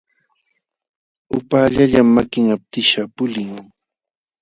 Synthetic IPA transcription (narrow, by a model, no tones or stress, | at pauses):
ʊpaːʎaʎamːakɪŋap̚t̪ɪʃapʊlɪŋ